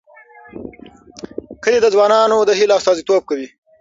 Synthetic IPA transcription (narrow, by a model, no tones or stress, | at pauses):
kəled̪əzwɑːnɑnod̪əɦilɑst̪ɑːzit̪ob̚kawi